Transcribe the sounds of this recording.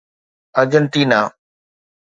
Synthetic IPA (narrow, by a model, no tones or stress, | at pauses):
əɾd͡ʒənt̪iːnaː